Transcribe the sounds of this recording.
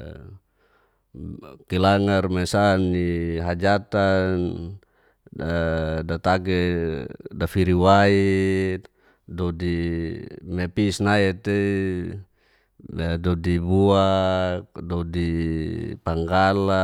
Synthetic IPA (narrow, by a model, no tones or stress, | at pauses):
kilaŋarmɛsanːiɦad͡ʒat̪an | dat̪aɡɛ | dafiɾiwai | dɔdi | mɛpisnaɛt̪ɛ | dɔdibuak̚dɔdi | paŋɡala